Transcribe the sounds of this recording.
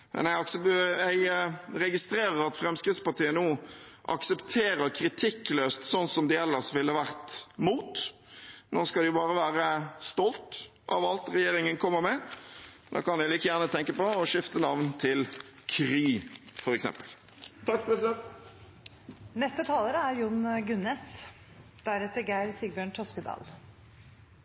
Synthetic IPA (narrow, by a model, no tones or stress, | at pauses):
mʔɛ̰næɪɑksæɪɾɛɡɪst̪ɾeːɾəɾɑt̪fɾɛmskɾɪt̪spɑʁt̪ʰiːənuːʔɑ̰ksəpt̪ʰeːɾəɾkʰɾɪt̪ʰɪkːløːst̪sɔnsɔmd̪ɪɛlːəɾsʋɪlːəʋæʁt̪muːt̪ | noːskɑld̪ɪbɑːɾəʋæːɾəst̪ɔlt̪ | ʔɑ̰ʋɑlt̪ɾɛjeːɾɪŋənkʰɔmːəɾmɛ | d̪ɑ̰ːkɑnælɪːkəjæːʁnət̪ʰɛŋkəpɔɔʂɪft̪ənɑʋnt̪ʰɪl | kʰɾiːfɔɾɛksɛ̰mpə̥l | t̪ʰɑkːpɾɛsɪd̪ɛnt̪ | nɛst̪ət̪ʰɑːləɾəæɾjʊnɡʉnɛs | d̪̥æɾɛt̪əɾɡæɪɾsiɡbjøːɳʈʰɔskəd̪ɑ̰ːl